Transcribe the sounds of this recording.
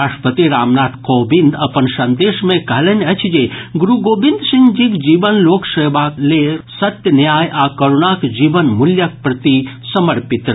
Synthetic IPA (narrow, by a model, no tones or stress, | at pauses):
ɾaʂʈpət̪iɾamnat̪kobind̪əpənsə̃nd̪esmẽkəɦlɛnət͡ʃʰd͡ʒeɡuɾuɡobind̪siŋd͡ʒikd͡ʒibənloksəjbaklesət̪jənjajakoɾonakd͡ʒibənmuljək̚pɾət̪i | səməɾpit̪ɾ